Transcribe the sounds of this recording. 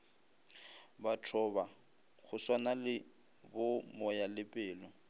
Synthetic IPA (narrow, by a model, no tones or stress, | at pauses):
batʰɔba | ɣʊswanalɪ | bʊmɔjalɪpʼɪːlɔ